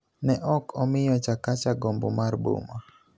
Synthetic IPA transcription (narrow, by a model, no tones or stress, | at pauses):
nɛʔɔkʰɔmɪjɔt͡ʃakat͡ʃaɡombo̰marbo̰ma